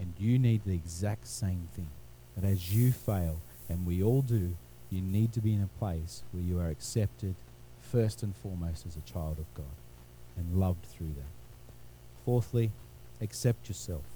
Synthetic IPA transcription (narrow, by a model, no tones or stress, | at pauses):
ɨ̃njɨnid̪̚ðiɨɡzæk̚tsẽɪ̃mθɪ̃ŋ | b̥ʌɾɨzjɨfeɪlˠ | ɨ̃nwiɔlˠdɨ | jɨnid̚tɨbiɨ̃nɨpʰl̥eɪswə˞jɨə˞ɨksɛp̚tɪd̥ | fɜ˞stɨ̃nfɔɹmoʊstɨzɨt͡ʃʰaɪlˠdʌvɡɑɾ | ɨ̃nlʌvdθɹʉðɨ̰m | fɔɹθli | ɨksɛp̚t͡ʃə˞sɛlˠf